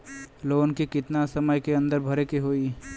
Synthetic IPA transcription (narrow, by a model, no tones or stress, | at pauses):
loːnkikɪt̪nasəməjkeɐ̃nd̪əɾbʱɐɾekeɦoːi